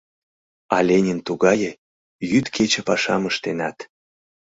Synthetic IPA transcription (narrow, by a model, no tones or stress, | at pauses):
ɑlʲenʲint̪uɣɑje | jyt̪kʰet͡ɕə̆pɑʃɑməʃt̪enɑt̪